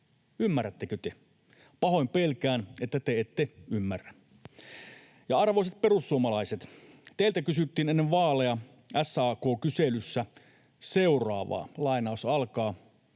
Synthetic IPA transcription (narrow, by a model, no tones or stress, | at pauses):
ymːæræt̪ːekøt̪e | pɑhojmpelkæːnet̪ːæt̪eet̪ːeymːærːæn | jɑɑrʋo̞ijset̪̚perusːuomɑlɑiset̪ | t̪eilt̪ækysyt̪ːiːnenːeʋʋɑːlejɑ | æsɑːkoːkyselysːæ | seurɑ̰ːʋɑ̰ːlɑinɑˑusɑlkɑː